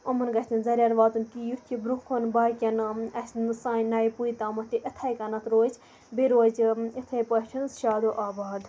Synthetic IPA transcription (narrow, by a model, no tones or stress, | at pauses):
omɐnɡɐsʲt̪ʰinzɐɾʲɐɾʋaːt̪unkijut̪ʰibɾukʰonbaːkʲɐnɐsnsãːnɐjpujt̪amɐt̪iʔət̪ʰɐjkɐnɐt̪ʰɾoːz | beɾoːzit̪ʰɐjpɐt͡ʃʲʰɐnsʃaːd̪oːʔaːbaːd̪